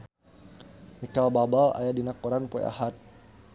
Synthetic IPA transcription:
mikalbabala̰jadinakɔɾanpɔ̰a̰ɦat̪̚

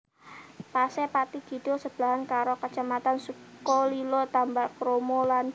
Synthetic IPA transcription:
pasɛpat̪iɡ̥i̤d̥o̤səb̥əlaɦankaɾokət͡ʃamat̪ansukɔlilot̪ambakɾomolan

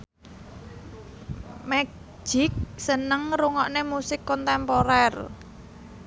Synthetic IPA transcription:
mɛ̥ | d͡ʒ̥ɪk̚sənəŋɾuŋɔʔnemusɪkːɔnt̪ɛmpoɾɛr

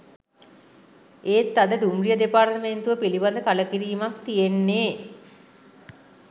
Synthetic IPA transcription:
eːt̪ːad̪əd̪umrijəd̪epaːrt̪əment̪uʋəpiliband̪əkaləkiɾiːmak̚t̪ijenːeː

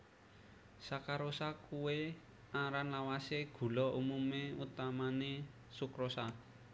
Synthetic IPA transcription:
sakaɾosakuwe | aɾanlawaseɡ̥ṳlɔʔumumeut̪amane | sukɾosa

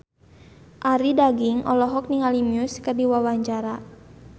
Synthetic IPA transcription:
ʔaɾidaɡiŋɔ̰lɔɦɔk̚niŋalimiuskɨrdiwawaɲt͡ʃaɾa

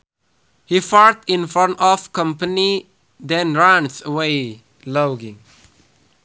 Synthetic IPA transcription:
hifɔɹtĩnfɔnɔfkʌ̃mpəni | d̪ɛ̃nɹãnsəwe | loɡĩŋ

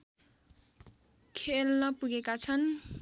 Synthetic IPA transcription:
kʰelnʌpuɡekat͡sʰʌn

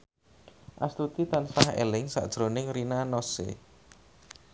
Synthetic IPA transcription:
ʔast̪ut̪it̪ansahḛlɪŋsa̰ʔd̥ʒ̥ɾonɪŋɾinanosḛ

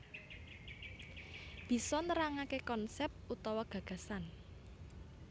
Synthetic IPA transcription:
b̥i̤sɔnəɾaŋakekɔnsɛp̚t̪ʔut̪ɔwɔɡ̥ä̤ɡ̥ä̤san

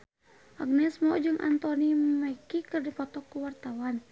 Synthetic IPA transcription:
ʔa̰ɡnɛsmɔd͡ʒɨŋʔa̰nt̪ɔnimakikɨrdipɔt̪ɔkːuwart̪awan

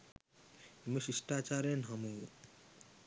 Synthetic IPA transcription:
məʃisʈat͡ʃaɾenɦɐmu

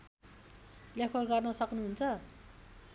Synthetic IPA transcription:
ljakʰwʌrɡʌrnʌsʌknuɦunt͡sʰʌ

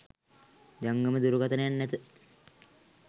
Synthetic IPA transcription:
d͡ʒaŋɡəməd̪uɾuɡat̪ənəjanːɛt̪ə

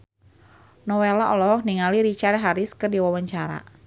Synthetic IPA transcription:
nɔwelaʔɔlɔɦɔk̚niŋaliɾit͡ʃart̚ɦaɾɪskərdiwawaɲt͡ʃaɾa̰

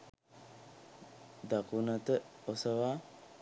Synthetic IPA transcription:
d̪akunɐt̪əosəʋaː

